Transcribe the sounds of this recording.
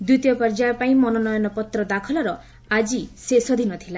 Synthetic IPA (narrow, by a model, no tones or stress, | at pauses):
d̪ut̪ijɔpɔɾd͡ʒaɔpaĩmɔnɔnɔjɔnɔpɔt̪ɾɔd̪akʰɔlɔɾɔ | ad͡ʒisesɔd̪ʱinɔt̪ʰila